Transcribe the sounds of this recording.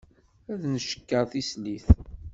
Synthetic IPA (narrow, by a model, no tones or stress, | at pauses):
æðnəʃə̥kːəɾˤθisliθ